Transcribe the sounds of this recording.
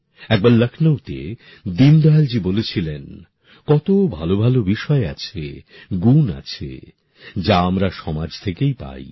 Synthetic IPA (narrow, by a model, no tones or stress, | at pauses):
ɛk̚baɾləkʰnəwt̪ḛ | d̪ind̪ald͡ʑibolet͡ɕʰilen | kɔt̪obʱalobʱalobiʃɔeat͡ɕʰḛ | ɡuna̰t͡ɕʰḛ | d͡ʑaamɾaʃɔmad͡ʑt̪ʰekejpa̰j